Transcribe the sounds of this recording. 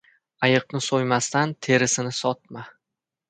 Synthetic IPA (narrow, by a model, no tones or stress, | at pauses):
ajɨqnɪsojmast̪ant̪ʰe̞ɾɪsɪnɪsɒt̪̚ma